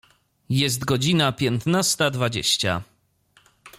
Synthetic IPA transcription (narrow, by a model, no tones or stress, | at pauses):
jɛs̬t̪ɡɔd͡ʑinapʲjɛnt̪nast̪ad̪vad͡ʑḛɕt͡ɕa̰